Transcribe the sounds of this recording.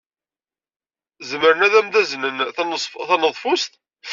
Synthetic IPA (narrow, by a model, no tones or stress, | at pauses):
zəməɾənæðæmðæznənθɑnəðˤfʊst̪